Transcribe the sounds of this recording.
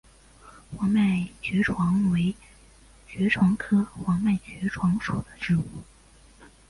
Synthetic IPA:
xwɑ˧˥ŋma˥˩ɪt͡ɕɥɛ˧˥ʈ͡ʂʰwɑ˧˥ŋwe˧˥ɪ | t͡ɕɥɛ˧˥ʈ͡ʂʰwɑ˧˥ŋkʰɤ˥xwɑ˧˥ŋma˥˩ɪt͡ɕɥɛ˧˥ʈ͡ʂʰwɑ˧˥ŋʂu˨˩d̪ə˦ʈ͡ʂɻ̩˥˩u˥˩

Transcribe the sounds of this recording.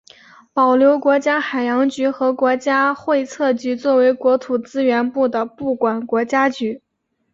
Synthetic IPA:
pɑ˨˩ʊljo˧˥ʊkwɔ˧˥t͡ɕja˥xa˨˩ɪjɑ˧˥ŋt͡ɕy˧˥xɤ˧˥kwɔ˧˥t͡ɕja˥xwe˥˧ɪt͡sʰɤ˥˩t͡ɕy˧˥t͡swɔ˥˩we˧˥ɪkwɔ˧˥t̪ʰu˨˩t͡sɹ̩˥ɥɛ˧˥npu˥˩d̪ə˩pu˥˩kwa˨˩nkwɔ˧˥t͡ɕja˥t͡ɕy˧˥

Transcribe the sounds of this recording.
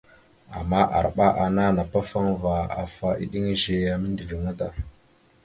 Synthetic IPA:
a̰˨mːa˦ʔa̰˨ɾɓa˦ʔa˨na˦na˨pa˦fa˦ŋva˨a̰˨fa˦ʔḭ˨ɗi˦ŋ˦ʒe˨ja˨mi˦n˦di˨vi˨ŋa˦ta̰˨

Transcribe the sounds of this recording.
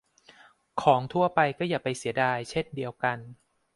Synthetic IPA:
kʰɔː˩˦ŋt̪ʰu˥˩ɐpa˧jkɔː˥˩jaː˨˩pa˧jsi˩˦ɐdaː˧jt͡ɕʰe˥˩ndi˧əwka˧n

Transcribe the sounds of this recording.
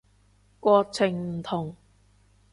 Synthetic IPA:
kʷɔː˧t͡sʰɪ˨˩ŋm̩˨˩t̪ʰʊ˨˩ŋ

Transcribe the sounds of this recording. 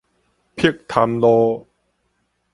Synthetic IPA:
pʰi˥˩k̚t̪ʰa˧mloː˧

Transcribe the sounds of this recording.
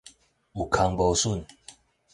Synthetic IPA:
u˨kʰa˧˦ŋbo˧˦su˥˨n

